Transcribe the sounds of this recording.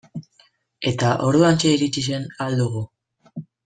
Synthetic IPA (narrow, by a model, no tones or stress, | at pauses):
e̞t̪aʔo̞ɾðuant͡ʃeiɾit͡ʃise̞nald̪uɣ̞u